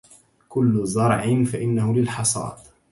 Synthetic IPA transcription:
kʊlːʊzˤɑɾˤʕɪnfaʔɪnːahʊlɪlħɑsˤɑ̰ːd̪

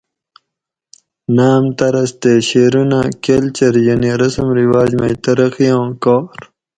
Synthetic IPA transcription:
naːmt̪ɐɾɐst̪eːɕeːɾunaːkelt͡ɕɐɾjɐniɾɐsɐmɾiwaːd͡ʑmɐjt̪ɐɾɐxijõːkoːɾ

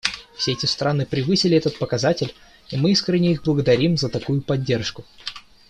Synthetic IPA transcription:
fsʲeɛtʲɪst̪ɾʔanɨpɾʲɪvɨsʲɪlʲɪɛt̪ət̪̚pəkɐzatʲɪlʲ | imɨiskɾʲɪnʲɪiɣblˠəɡəd̪ɐɾʲimzət̪ɐkujʊpɐdʲːe̞rʂkʊ

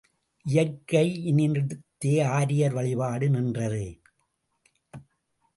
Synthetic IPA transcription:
ʔɪjɐkːɐɪɪnɪnɪɽɯt̪ːeːaːɾɪjɐɾʋɐɭɪʋaːɽɯnɪndrɐðɯ

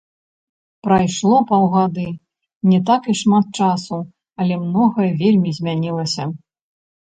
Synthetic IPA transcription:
pɾajʂlˠɔpɐwɣad̪ɨ | nʲɛt̪akiʂmat̪̚t͡ʂasu | ɐlʲɛmnɔɣɐvʲelʲmʲizʲmʲanʲilˠɐsʲɐ

